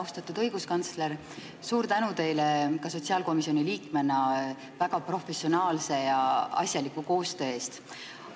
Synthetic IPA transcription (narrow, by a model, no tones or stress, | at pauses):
uwst̪ɑt̪ːˑud̪̥ɤjɡ̥uskɑnt̪sle̞ɾ | suːɾt̪ænut̪e̞jlekɑso̞t̪ʲsiɑːlko̞misio̞niliːkme̞nɑ | væɡ̥ɑpro̞fesionɑːlse̞jɑɑ̰sʲjɑlikːuko̞ːst̪ø̞ːe̞ːst̪